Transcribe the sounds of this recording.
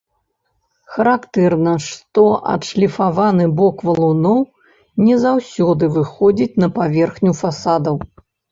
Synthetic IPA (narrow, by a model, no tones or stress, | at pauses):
xɐɾakt̪ɛrnɐʂt̪ɔʔɐ̰t̪ʂlʲifavanɨbɔkvɐlˠunɔw | nʲɛzawsʲɔd̪ɨvɨxɔd͡zʲit͡sʲnɐpavʲɛrxnʲufasad̪ɐw